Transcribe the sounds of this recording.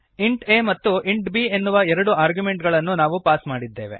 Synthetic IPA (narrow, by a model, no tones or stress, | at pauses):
iɳʈemɐt̪ːuʔiɳʈbienːuʋɐɛɾɐɽuaːɾɡjume̞ɳʈɡɐɭɐnːunaːʋupaːsmaːɽid̪ːe̞ːʋe̞̰